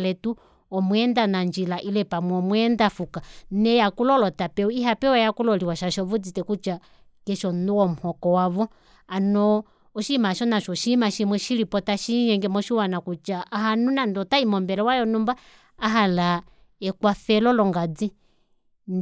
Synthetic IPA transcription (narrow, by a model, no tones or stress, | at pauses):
lɛtu | ɔmwɛndanaɲd͡ʒilaʔilɛpamwɔmwɛndafukanɛjakulɔlɔtapɛuiɦapɛwɛjakulɔliwaʃaʃɔβud͡zitɛkut͡ʃa | kɛʃɔnuwɔmuhɔkɔwaβɔ | anɔ | ɔʃimaʃɔnaʃɔʃimaʃimwɛʃiɾipɔtaʃiɲɛŋɡɛmɔʃiwanakut͡ʃaʔːɦanunandɔtaimɔmbɛlɛwajɔnumbaː | ɦala | ɛkwafɛlɔlɔŋɡad͡zi | n